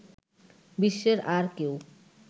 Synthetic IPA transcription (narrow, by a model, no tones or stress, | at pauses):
biʃːeɾaɾkew